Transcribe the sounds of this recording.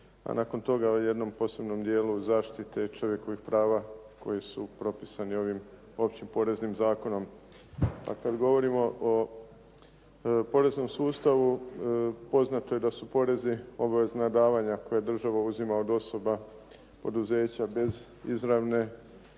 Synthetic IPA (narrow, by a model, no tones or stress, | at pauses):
a̰naːko̞nt̪o̞ɡaoje̞d̪no̞mpo̞ːse̞bno̞md̪je̞ːluzaːʃt̪it̪e̞it͡ʃo̞ʋje̞ko̞ʋixpɾaːʋa | ko̞̰jisupɾo̞pisanio̞ʋim | o̞pt͡ɕimpo̞ɾe̞znimzaːko̞no̞m | a̰kad̪ɡo̞ʋo̞ɾimo̞ʔo | po̞ɾe̞zno̞msuːst̪aʋu | po̞znat̪oje̞d̪asupo̞ɾe̞zio̞baʋe̞znad̪aːʋaɲako̞jed̪r̩ʒaʋauzimaod̪o̞so̞ba | po̞d̪uze̞ːt͡ɕabe̞z | izɾaʋne̞